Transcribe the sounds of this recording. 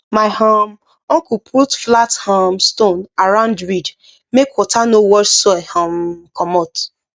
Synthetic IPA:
maɪham | ɔ̃ŋkupʰutflathamstonaɾãʊ̃ndɹid | mekwɔtʰanowɔsɔhãmkʰɔmɔt

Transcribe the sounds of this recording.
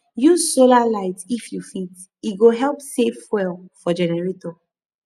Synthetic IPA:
jusolalaɪtifjufit | iɡoɦɛlpsefwɛlfɔd͡ʒɛnɛɹetɔ

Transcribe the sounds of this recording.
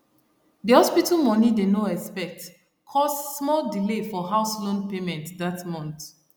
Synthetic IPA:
dihɔspitəmɔ̃nidenoɛspɛk̚t | kʰɔstːmɔldilefɔɦaʊslõnpemɛ̃ntdatmɔ̃nt

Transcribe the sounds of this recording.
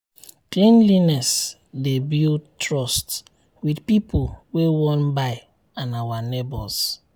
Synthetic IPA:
klẽnlinɛs | debiltɹɔst | widpipowewɔ̃nbaɪ | ãnawanebɔs

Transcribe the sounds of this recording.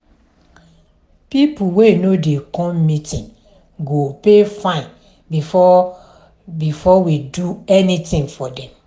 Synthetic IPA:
pipuwenodekɔ̃mmitĩŋ | ɡopefãɪ̃n | bifɔ | bifɔwiduɛnitĩŋfɔdɛ̃m

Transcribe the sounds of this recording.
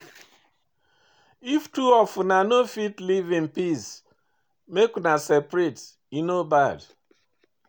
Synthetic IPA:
iftuɔfunanofitlivin̩pis | meknasepɾet | inobad

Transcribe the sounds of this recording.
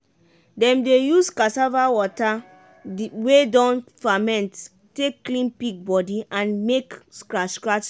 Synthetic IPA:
dɛ̃mdejuskasavawɔta | wedɔ̃nfamɛ̃nt | tekːlĩnpik̚bɔdiʔãnmekskɹaskɹat

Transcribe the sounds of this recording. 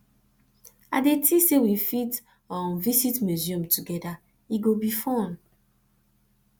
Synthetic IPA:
a̰detʰisewifit | ɔ̃nvisitmjuziɔ̃mtuɡɛda | iɡobifɔ̃n

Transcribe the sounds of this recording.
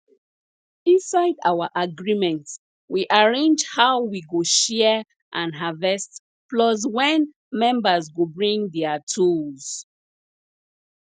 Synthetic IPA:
ĩnsaɪdawəʔaɡɹimɛ̃nt | wiʔaɹẽnd͡ʒhawwiɡoʃɛ | ʔãnɦavɛst | plɔs̬wɛ̃n | mɛ̃mbəzɡobɹĩŋdɛatʰulz̥

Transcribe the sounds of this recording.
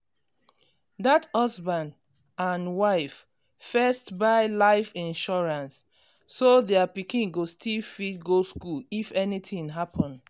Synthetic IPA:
dathɔsbãnd | ãnwaɪfː | ɛstbaɪlaɪfĩnʃɔɹãnsː | oðɛapikĩnɡostʰilfit̚ɡoskulifɛnitĩŋɦapʰɔ̃nd

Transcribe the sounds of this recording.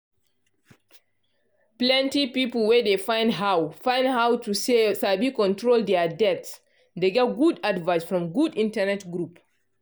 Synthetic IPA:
plɛ̃ntipiplwɛdefãj̃ndɦawfãj̃ndhawtʰusesabikɔ̃ntɹoldɛadɛts | deɡɛtɡudadvajsfɹɔ̃mɡudĩntɛnɛtɡɾup

